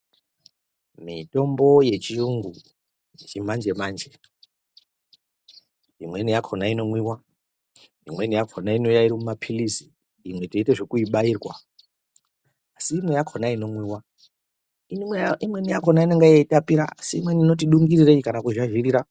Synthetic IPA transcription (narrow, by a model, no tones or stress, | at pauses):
mito̞mbo̞je̞t͡ʃiuŋɡu | t͡ʃimand͡ʒe̞mand͡ʒe̞ | imwe̞nijakʰonaino̞mwiwa | imwenijakʰonainojaiɾimumapʰilisi̥ː | mwe̞teiteʐekuiɓaiːrwa̰ | siːmwe̞jakʰonaino̞mwiwa | iimwenijako̞naineŋɡajeitapiɾaa̰siimwenino̞t̬iɗuŋɡirireikanakuʒaʒiriɾa